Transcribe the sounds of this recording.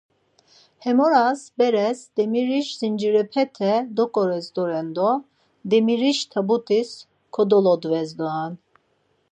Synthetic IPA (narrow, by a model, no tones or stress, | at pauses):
hɛmɔɾasbɛɾɛsd̪̥ɛmiɾiʃzind͡ʒiɾɛpʰɛt̪ʰɛd̪ɔkʼɔɾɛzd̪ɔɾɛnd̪ɔ | d̪ɛmiɾiʃt̪ʰabut̪ʰʼis | kʰɔd̪ɔlɔd̪vɛzd̪ɔan